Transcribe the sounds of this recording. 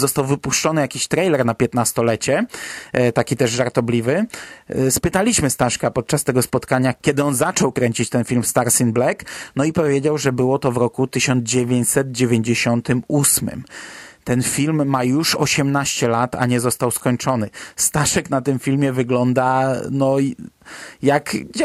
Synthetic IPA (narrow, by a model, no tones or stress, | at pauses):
zɔst̪awvɘpuʂt͡ʂɔnɘjakʲiɕt̪ɾɛjlɛɾnapʲjɛt̪nast̪ɔlɛt͡ɕɛ | t̪akʲit̪ɛʐʐaɾt̪ɔblʲivɘ | spɘt̪alʲiɕmɘst̪aʂkapɔt̪̚t͡ʂast̪ɛɡɔspɔt̪kaɲakʲɛd̪ɘɔnzat͡ʂɔwkɾɛɲt͡ɕit͡ɕt̪ɛnfʲilmst̪aɾsʲinblɛknɔipɔvʲjed͡ʑawʐɛbɘwɔt̪ɔvɾɔkut̪ɘɕɔnd̪zd͡ʑevʲeɲt͡ɕʲsɛd̪̚d͡ʑevʲjeɲd͡ʑeɕɔnt̪ɘmusmɘ̰mt̪ɛnfʲilmːajuʂɔɕɛmnaɕt͡ɕɛlat̪a̰ɲɛzɔst̪awskɔɲt͡ʂɔnɘst̪aʂɛknat̪ɘmfʲilmʲjɛvɘɡlɔnd̪anɔ | jakd͡ʑ